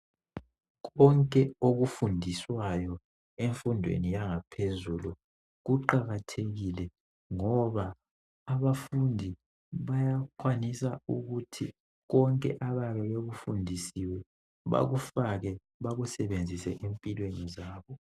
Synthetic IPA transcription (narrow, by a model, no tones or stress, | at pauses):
ɣɔŋkʼɛoɣufundʱiswajɔ | eɱfundʱwḛnijaŋapʰezulu | ɣuǃaɣatʰeɣilɛ | ŋɔβaː | βafundʱi | βajakʰwanisauɣutʰi | ɣɔŋkʼɛ̰ʔaβaβɛβeɣufundʱisiwɛ | βa̰ɣufaɣɛ | βaɣusɛβend͡zʱisɛʔempʼilwenizaːβɔ